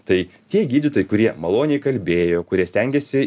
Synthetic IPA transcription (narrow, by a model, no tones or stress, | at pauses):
t̪ɐɪt̪ʲiɛɡʲiːd̪ʲɪt̪oːjɪkʊɾʲiɛmɐlˠoːnʲɪɛɪkɐlʲbʲeːjoːkʊɾʲiɛsʲt̪ʲɛŋʲɡʲɛsʲɪ